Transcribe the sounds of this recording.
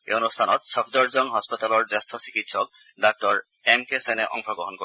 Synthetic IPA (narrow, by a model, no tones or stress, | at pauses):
ḛonustʰanɔt̪sɔpʰdɔɹzɔnɦɔspɔt̪alɔɹzast̪ʰɔsikitsɔk̚ | dak̚tɔɹ | ɛmkesɛnɛʔɔ̰ŋkʰɔɡɹɔɦɔnko